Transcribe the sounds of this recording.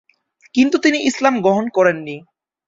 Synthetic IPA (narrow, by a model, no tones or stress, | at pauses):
kint̪ut̪iniʔislamɡɾoɦonkɔɾenːi